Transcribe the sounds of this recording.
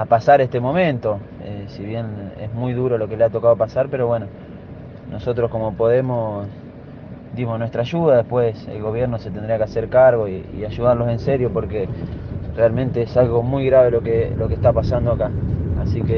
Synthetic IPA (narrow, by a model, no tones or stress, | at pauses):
apasaɾeht̪e̞mo̞mẽ̞nt̪o̞ | esiβje̞nḛsmujðuɾolo̞ke̞leat̪o̞kaðopasaɾpe̞ɾo̞βweno̞ | nʔo̞so̞t̪ɾohko̞mo̞po̞ðemos | d̪imosnwet̪ɾaʒuðaðehpwe̞sḛlɣo̞β̞jeɾnoset̪end̪ɾiakeaseɾkaɾɣ̞o̞iḭaʒuðaɾlo̞se̞nseɾjopo̞ɾkerealmẽnt̪eesalɣo̞mujɣɾaβ̞e̞lokelo̞kest̪apasand̪oakaasike